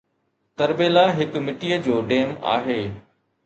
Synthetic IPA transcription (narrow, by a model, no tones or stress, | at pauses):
t̪ɐɾbeːlaɦɪkmɪʈijəd͡ʑoːɖeːma̰ːɦeː